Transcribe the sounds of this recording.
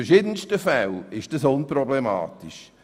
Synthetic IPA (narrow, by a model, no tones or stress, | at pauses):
ɛʃiːdənstəfɛlɪʃd̥əsʊnprɔblema̰ːtiʃ